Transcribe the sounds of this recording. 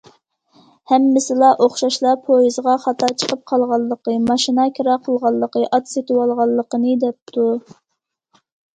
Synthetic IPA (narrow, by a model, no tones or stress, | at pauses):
hɛmːɪsɪlˠɑʔoχʃɑʃlˠɑpʰojizʁɑχɑt̪ɑt͡ʃʰə̥qʰəp̚qʰɑlˠʁɑlˠːəqəmɑʃinɑkʲʰiɾɑqʰəlˠʁɑlˠːəqəʔɑt̪set̪ʰɪwɑlˠʁɑlˠːəqənɨd̪ɛp̚t̪ʰu